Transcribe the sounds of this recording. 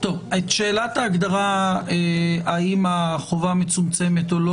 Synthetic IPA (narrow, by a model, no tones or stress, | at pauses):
t̪o̞vet̪ʃe̞ːlat̪aːɡd̪aʁaeaimaχovame̞t͡sumt͡se̞me̞t̪olo